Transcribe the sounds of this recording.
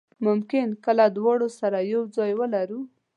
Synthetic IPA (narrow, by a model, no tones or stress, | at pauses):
mʊmkɪnkəlad̪wɑɽosaɾajawd͡zɑjwəlaɾu